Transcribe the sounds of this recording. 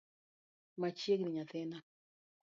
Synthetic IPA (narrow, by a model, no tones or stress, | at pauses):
mat͡ʃjekniɲatɛna